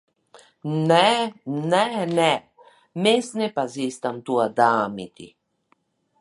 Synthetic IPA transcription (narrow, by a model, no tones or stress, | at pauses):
nɛnɛnɛ | mesnɛpazist̪amt̪uad̪aːmit̪ḭ